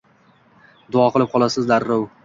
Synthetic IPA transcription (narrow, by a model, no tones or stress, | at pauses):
d̪ʊɒqʰɨlˠɪp̚qʰɒlˠasɪzd̪aɾːow